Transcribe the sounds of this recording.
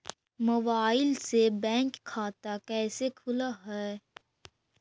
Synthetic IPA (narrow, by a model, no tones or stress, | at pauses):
mobaːɪlsebɛ̃ːŋkʰːaːt̪akɛːsekʰʊlaɦɛː